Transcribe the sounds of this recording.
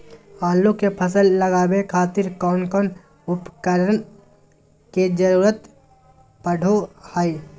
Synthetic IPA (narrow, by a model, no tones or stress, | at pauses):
aːlokepʰəsəlːəɡaːbekʰaːt̪ɪɾkɔːnkɔːn | ʊpkəɾən | ked͡ʒəɾuːɾət̪ | pəɽʱohaːi